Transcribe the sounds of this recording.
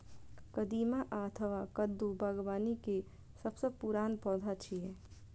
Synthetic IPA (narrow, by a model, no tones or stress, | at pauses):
kəd̪iːmaʔaət̪ʰəʋakəd̪ːubʱɐɡʋaːnike | səbsepuɾaːnpɔːd̪ʱat͡ʃʰiɦɛ